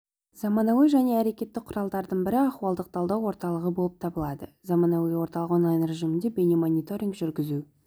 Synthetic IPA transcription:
zɑmɑnɑwijʒæne̞æɾe̞kʲe̞t̪ːɪk̚qʰʊɾɑlˠd̪ɑɾd̪əɴbɪɾɪɑχuwɑlˠd̪əq̚t̪ʰɑlˠd̪ɑwwo̞ɾt̪ɑlˠəʁəbo̞lˠəp̚t̪ʰɑbəlˠɑd̪əzɑmɑnɑwijwo̞ɾt̪ɑlˠəqwonˠɑjinɾe̞ʒijmɪnd̪e̞bʲe̞nemonʲit̪o̞ɾʲiŋɡʒʏɾɡʲɪzu

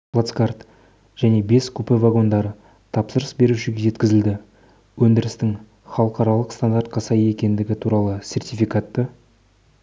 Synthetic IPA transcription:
plˠat̪skart̪ | ʒ̥æne̞be̞skʲʰɵpɪvaɡo̞nd̪ɑɾə | t̪ʰɑpsəɾəsbe̞ɾuʃɪɡʲe̞ʒe̞t̪kʲɪzɪld̪ɪ | wɵnd̪ɪɾɪst̪ɪŋ | χɑlˠəqɑɾɑlˠəqst̪and̪art̪̚qʰɑsɑjəe̞kʲe̞nd̪ɪɡʲɪt̪ʰuɾɑlˠəsʲe̞rt̪ijfʲijkat̪ːə

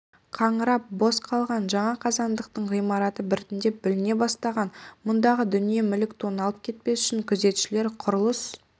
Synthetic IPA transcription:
qʰɑɴəɾɑp̚bo̞sqʰɑlˠʁɑnʒɑɴɑqʰɑzɑnd̪əqt̪əɴʁijmɑɾɑt̪əbɪɾɪt̪ɪnd̪e̞pbɪlɪne̞bɑst̪ɑʁɑnmʊnd̪ɑʁəd̪ʏnije̞mʏlɪkt̪ʰo̞nɑlˠəp̚kʲʰe̞t̪̚pe̞sʏ̥ʃɪŋkʲʰʏze̞t̪ʃɪle̞ɾqʰʊɾəlˠəs

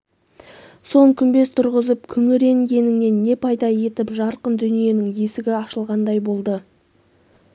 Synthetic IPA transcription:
so̞ɴkʲʰʏnbe̞st̪ʰʊɾʁəzəp̚kʲʰʏŋɪɾe̞ŋɡʲe̞nɪŋne̞nːe̞pʰɑjd̪ɑje̞t̪ɪpʒɑɾqənd̪ʏnije̞nɪŋe̞sɪɡʲɪɑʃəlˠʁɑnd̪ɑjbo̞lˠd̪ə

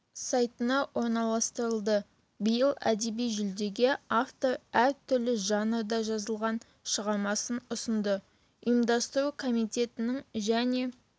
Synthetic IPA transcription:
sɑjt̪ənɑwo̞ɾnɑlˠɑst̪əɾəlˠd̪ə | bəjəlˠæ̰d̪e̞bijʒʏld̪e̞ɡʲeaft̪o̞ɾæɾt̪ʰʏɾlɪʒɑnəd̪ɑʒɑzəlˠʁɑn | ʃəʁɑɾmɑsənʊsənd̪ə | ʊjəmd̪ɑst̪əɾukʰo̞mijt̪e̞t̪ɪnɪŋʒæne̞

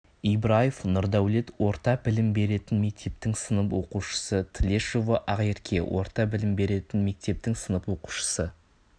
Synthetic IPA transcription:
ijbɾajefnʊɾd̪æwle̞t̪wo̞ɾt̪ɑbɪlɪmbe̞ɾe̞t̪ɪnme̞k̚t̪e̞p̚t̪ɪŋsənəpwo̞quʃə̥sət̪ʰlʲeʃovaʔaʁjeɾkʲʰe̞wʔo̞̰ɾt̪ɑbɪlɪmbe̞ɾe̞t̪ɪnme̞k̚t̪e̞p̚t̪ɪŋsənəpwo̞qu̥ʃə̥sə

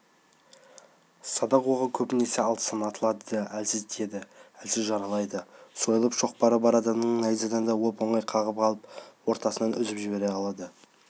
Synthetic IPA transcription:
sɑd̪ɑqwoʁəkʲʰɵpɪne̞se̞ɑlˠt̪ə̥sənɑt̪əlˠɑd̪əælsɪzt̪ʰe̞d̪ɪælsɪzʒɑɾɑlˠɑjd̪əso̞jəlˠəpʃo̞q̚pɑɾəbɑɾɑd̪ɑmnəɴnɑjzɑd̪ɑnd̪ɑwopo̞ɴɑjqʰɑʁəp̚qʰɑlˠəp̚wo̞ɾt̪ɑsənɑnʏzɪpʒɪbe̞ɾe̞ɑlˠɑd̪ə

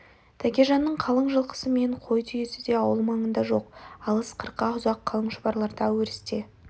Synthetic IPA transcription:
t̪ʰækʲeʒɑnːəɴqʰɑlˠəɴʒəlˠqʰə̥səme̞ɴqʰo̞jt̪ʰyje̞sɪd̪e̞ɑwəlˠmɑɴənd̪ɑʒo̞qɑlˠəsqʰəɾqɑʊzɑqʰːɑlˠəɴʃəbɑɾlˠɑɾd̪ɑweɾɪst̪e̞

